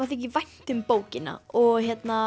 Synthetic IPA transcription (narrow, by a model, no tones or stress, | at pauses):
aɾθɛhc̬ɪvajn̥t̪ʏmpoːwcɪna̰ɔɣçɛt̪na